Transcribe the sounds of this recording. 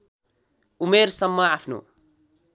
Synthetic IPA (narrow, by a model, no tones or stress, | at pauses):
umeɾsʌmːʌapʰnṵ